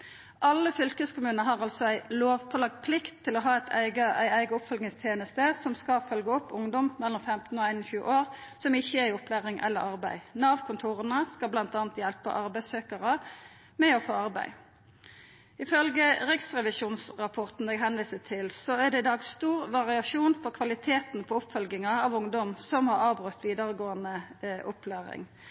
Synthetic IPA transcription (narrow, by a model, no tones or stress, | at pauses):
ʔɑlːəfʏlkəskʊmʉːnəɦɑʁɑlsɔæɪloːʋpʰɔlɑɡ̚t̪̚pʰlɪkt̪ʰːɪlɔɦɑːæɪt̪ʰæ̰ɪɡəʔæɪæɪɡəɔpfɔlɡnɪŋst̪ʰjeːnəst̪əsɔmskɑfœlɡəɔpːʊŋd̪ɔmmɛlːɔmfɛmt̪n̩oːæɪnɔçʉːə̰ʔoːʁsɔmɪçːəæɾɪɔplæːʁɪŋʔɛ̰lːəɾɑʁbæɪnɑːʋkʰʊnt̪ʰuːʁənəskɑblɑnt̪ɑːnt̪jɛlpə̰ʔɑʁbæɪsøːkəʁə | mɛɔfoːɑʁbæ̰ɪ | ɪfœlɡəʁɪksʁɛʋɪʃuːnsʁɑpʰɔʁt̪n̩ɛɡɦɛnʋiːsət̪ʰɪlsɔæʁd̪ɛɪd̪ɑːɡsst̪uːʁʋɑʁɪɑʃuːnfɔʁkʰʋɑlɪt̪ʰeːt̪n̩pʰɔʊpfœlɡɪŋɑɑʋʊŋd̪ɔmsɔmhɑʁɑːʋbʁʉt̪ʋiːd̪əʁəɡoːənəʔʊplæːʁɪ̰ŋ